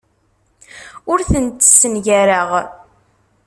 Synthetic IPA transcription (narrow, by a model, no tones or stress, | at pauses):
ʊɾθənt̪ə̥sːənʝæɾəʁ